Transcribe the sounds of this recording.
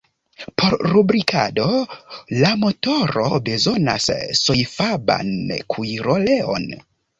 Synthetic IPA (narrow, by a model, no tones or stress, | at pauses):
pʰo̞ɾɾubɾikʰa̰do̞lamo̞toɾo̞̰be̞zo̞na̰sːojfaba̰nkʰuiɾo̞le̞o̞̰n